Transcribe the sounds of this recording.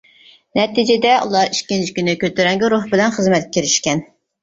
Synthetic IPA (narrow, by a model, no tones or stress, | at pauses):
nɛt̪id͡ʒɪd̪ɛʔṵlˠɑɾiʃkʲːint͡ʃʰi̥kʲynɪkʲøt̪yɾɛŋɡʲɪɾuχbɪlɛnχəzmɛt̪̚kʲʰiɾɪʃkʲɛn